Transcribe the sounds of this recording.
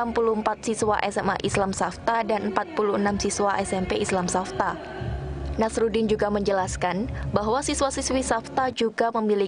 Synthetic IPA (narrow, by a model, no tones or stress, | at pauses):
ampuluhəmpat̪̚siswaʔɛsɛma̰ʔislamsaft̪adanmpat̪̚puluənamsiswaʔɛsɛmpeislamsaft̪a | nasɾudɪnd͡ʒuɡaməɲd͡ʒəlaskanbaɦwasiswasiswisaft̪ad͡ʒuɡaməmili